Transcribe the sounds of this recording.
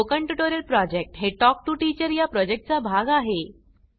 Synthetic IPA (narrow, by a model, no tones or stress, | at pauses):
okəɳʈjuʈoɾjəlpɾɔd͡ʑek̚ʈɦeʈɔk̚ʈuːʈit͡ɕəɾjapɾɔd͡ʑek̚ʈ̚t͡sabʱaɡaɦe